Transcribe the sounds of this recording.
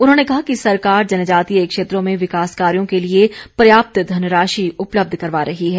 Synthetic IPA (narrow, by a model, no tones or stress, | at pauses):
ʊnɦõnekɐɦakisɐɾkaːɾd͡ʒɐnd͡ʒaːt̪ieːkʃeːt̪ɾõmẽʋɪkaːskaːɾijõkeliepɾɐjaːp̚t̪d̪ʱɐnɾaːʃiʊpləb̚d̪ʱkɐɾʋaɾɐɦiɦɛː